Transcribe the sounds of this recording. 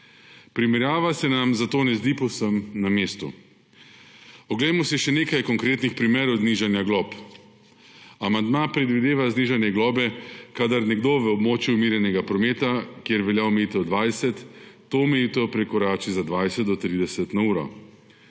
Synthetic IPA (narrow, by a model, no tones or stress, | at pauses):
pɾimɛɾjaːʋasɛnamzat̪oːnɛzd̪ipɔwsəmnameːst̪ṵ | ɔɡlɛjmɔsiʃɛneːkajkɔŋkɾeːt̪nixpɾimeːɾɔwzniʒanjaɡlɔːp | amand̪mapɾɛd̪ʋid̪eːʋazniːʒanjɛɡlɔːbɛkad̪aɾnɛɡd̪oʋəɔbmoːt͡ʃjuːmiːɾjɛnɛɡapɾɔmeːt̪akjeɾʋɛljaɔmɛjit̪ɔd̪ʋaːjsɛt̪ː | oumɛjit̪ɔpɾɛkɔɾaːt͡ʃizad̪ʋajsɛt̪̚d̪ɔt̪ɾiːd̪ɛsɛt̪nauːɾɔ̰